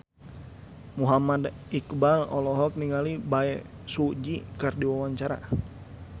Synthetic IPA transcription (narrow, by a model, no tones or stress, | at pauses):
muɦamadikbalɔlɔɦɔk̚niŋalibaɛ | sud͡ʒikɨrdiwawaɲt͡ʃaɾa̰